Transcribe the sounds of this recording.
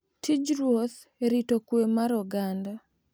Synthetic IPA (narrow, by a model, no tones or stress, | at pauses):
tid͡ʒɾwoθ | eɾitokwemaɾɔɡanda